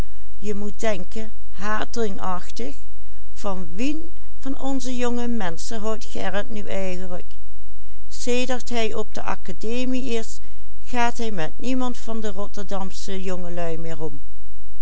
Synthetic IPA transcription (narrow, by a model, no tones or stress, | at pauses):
jəmut̚dɛŋkən | ɦaːdrɪŋɑχtəx | v̥ɑnʋin | v̥ɑnɔnzəjɔŋəmɛnsəɦɔwtxɛ̰ɹətnyʔɛjɣənlək | seːdəɹtɦɛjʔɔb̚də̰ʔɑ̰kadeːmiɪs | χaːtɦɛjmɛt̚nimɑntfɑndərɔtəɹdɑmsəjɔŋəlœɥmɪːɹɔm